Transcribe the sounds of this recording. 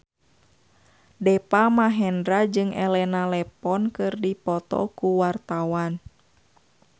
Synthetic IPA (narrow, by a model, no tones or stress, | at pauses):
dɛpamaɦɛndɾad͡ʒɨŋɛlɛnalɛpɔnkɨrdipɔt̪ɔ̰kuwart̪awan